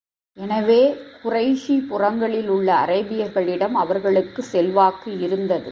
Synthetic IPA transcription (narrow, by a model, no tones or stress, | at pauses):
ɛnɐʋeːkʊrɐɪʂipʊrɐŋɡɐɭɪlʊɭːɐ̰ːrɐɪbɪjɐɾɣɐɭɪɽɐmɐʋɐɾɣɐɭɯkːɯsɛlʋaːkːɯɪɾɯnd̪ɐðɯ̰